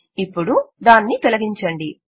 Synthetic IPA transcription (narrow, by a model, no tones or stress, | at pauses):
ipːuɽud̪aːnːit̪olɐɡiɲt͡ʃɐɳɖi